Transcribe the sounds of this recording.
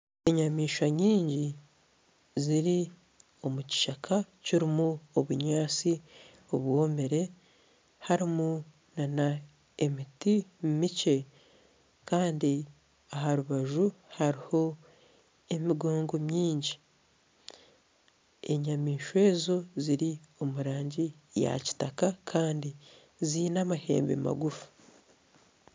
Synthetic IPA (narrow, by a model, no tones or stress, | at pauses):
e̞ɲamiːʃwaɲiːɲɟi | ziɾi | o̞muci̥ʃakʰaciɾimuoβuɲaːt͡si | oβwo̞ːmeɾe̞ | haɾimu | nana | emitimumice̞ | kaːndi | aɦaɾuβaʒuhaɾiho̞ | e̞miɡo̞ːŋɡo̞mɲiːɲɟi | e̞̰ɲamiːʃwe̞ːzo̞ziɾio̞muɾaːɲɟi | ja̰ci̥takakʰaːndi | ziːnamahḛːmbḛma̰ɡufu̥